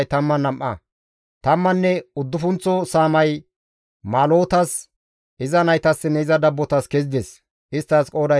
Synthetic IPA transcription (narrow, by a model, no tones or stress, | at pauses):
jt̪ɐmːɐnɐmʔɐ̰ | t̪ɐmːɐnːɛʊd̪ːʊfʊnt͡sːɔsaːmɐj | maːlo̞ːt̪ɐs | ʔɪzɐnɐjt̪ɐsːɪnɛɪzɐd̪ɐbːɔt̪ɐskɛzɪd̪es | ʔɪst̪ːɐskʼo̞ːd̪ɐ